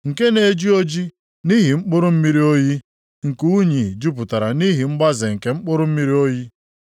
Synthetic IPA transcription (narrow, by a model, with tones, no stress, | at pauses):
ŋ̩˨ke˦ne˨d͡ʒi˦o˦d͡ʒi˦ | ni˦ɦi˨ŋ͡m̩˦k͡pʊ˦ɾʊ˦m̩˦mi˦ɾi˦o˦ji˦ | ŋ̩˨ku˦ɲi˨d͡ʒu˦p̬ʊ˨ta˨ɾa˨ni˦ɦi˨ŋ͡m̩˦ɡ͡ba˦ze˨ŋ̩˨ke˨ŋ͡m̩˦k͡pʊ˦ɾʊ˦m̩˦mi˦ɾi˦o˦ji˦